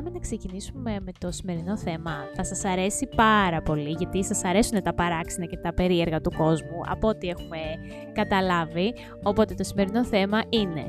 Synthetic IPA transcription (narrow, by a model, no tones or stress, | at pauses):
ɐminɐkse̞cinisume̞me̞t̪o̞sime̞ɾino̞θe̞mɐθɐsɐsɐɾe̞sipɐɾɐpo̞liʝɐt̪isɐsɐɾe̞sunet̪ɐpɐɾɐksinɐce̞t̪ɐpe̞ɾie̞ɾɣɐt̪uko̞zmuʔɐ̰pot̪ie̞xume̞ | kɐt̪ɐlɐvi | o̞po̞t̪e̞t̪osime̞ɾino̞θe̞mɐʔine̞̰